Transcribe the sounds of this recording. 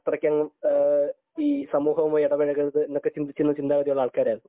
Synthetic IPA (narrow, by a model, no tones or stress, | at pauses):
t̪ːrɐkʲːaːŋɐm | iːsɐmuːɦɐʋumoːjiɽɐʋɐɻɐɣɐðɨenːokːet͡ɕind̪it͡ɕːinːɐt͡ɕind̪aːɣɐðijuɭːɐaːɭkaːɾjaːɭ